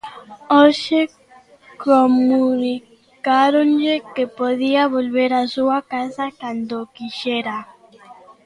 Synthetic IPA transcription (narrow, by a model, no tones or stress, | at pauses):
oʃe | komuni | kaɾonʎekepoðiaβolβeɾasuakasakand̪okiʃɛɾa